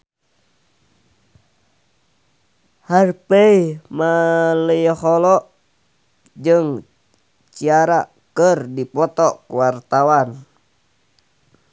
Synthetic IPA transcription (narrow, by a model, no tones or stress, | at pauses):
harpeimaləjhɔlɔ | d͡ʒɨŋ | t͡ʃiaɾa | kərdipɔt̪ɔkuwart̪awan